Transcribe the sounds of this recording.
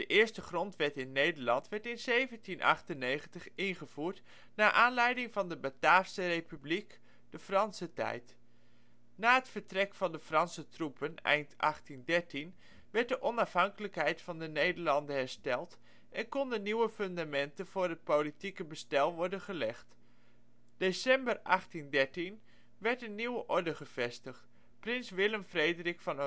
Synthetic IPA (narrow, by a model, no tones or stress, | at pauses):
d̥əʔɪːɹstəχrɔntʋɛtɪnːejdəɹlɑntʋɛɹtɪnzejvəntinʔɑ̰χtənːejχəntəχɪnχəv̥uːɹt | naːʔaːnlɛjdɪŋvɑndəbətaːfsərejpyblik | d̥əfrɑnsətɛ̰jt | naːɦətfəɹtrɛkfɑndəfrɑnsətrupənɛ̰jntʔɑ̰χtindɛɹtin | ʋɛɹt̚dəʔɔnɑfɦɑŋkələkɦɛjtfɑndənejdəɹlɑndəɦɛɹstɛlˠt | ʔɛnkɔndənːiwəfɵndamɛntənv̥ʊːɹɦət̚politikəbəstɛlˠʋɔɹdənχəlɛχt | d̥esɛmbərʔɑχtindɛɹtin | ʋɛɹtənːiwəʔɔɹdəχəv̥ɛstəχt | prɪnsʋɪləmfrejdərɪkfɑn